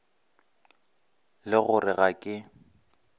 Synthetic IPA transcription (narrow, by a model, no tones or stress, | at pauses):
lɪɣʊrɪɣakʼɪ